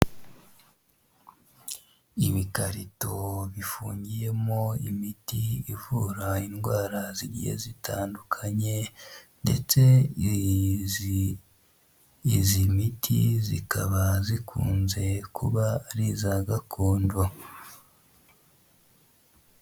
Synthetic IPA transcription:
iβikaɾito̞βifuːɲɟije̞mo̞imitiivuːɾainɡwaːɾaziɟḭhḛzitʰaːndukʰaɲe̞nde̞̰t͡se̞ | izimitʰḭzḭkʰaβazikʰuːnze̞kuβaɾizaɡakʰoːndo

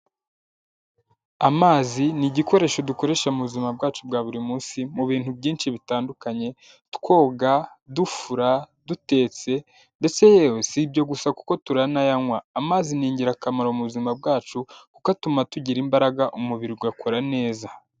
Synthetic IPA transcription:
amaːziniɟiko̞ɾe̞ːʃo̞duko̞ɾe̞ːʃamuβuzimab̚ɡaːt͡ʃub̚ɡaːβuɾimuːnsimuβiːnhubɟiːnʃiβitaːndukaɲe̞ | tkwo̞ːɡa | dufuɾa | dute̞ːt͡se̞ | nde̞t͡se̞jeːjosibɟo̞ɡusaku̥ko̞tuɾanajaŋwaːmaːziniːɲɟiɾakamaɾomuuzimab̚ɡaːt͡ʃukukatumatuɟiɾimbaɾaɡaʔumuβiɾiɡɡakʰo̞ɾane̞ːza

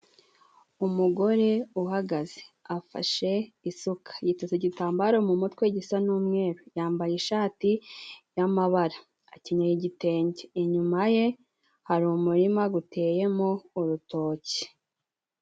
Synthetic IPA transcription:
umuɡo̞ɾe̞uɦaɡaze̥afa̰ʃe̞isukʰḁjitozeɟitaːmbaɾo̞mumutweɟisanuːmŋe̞ːɾojaːmbajiʃaːtijamaβaɾaː | ciɲojiɟite̞ːɲɟeːɲumaje̞ | haɾumuɾimaɡutʰe̞ːje̞mouɾuto̞ːci̥

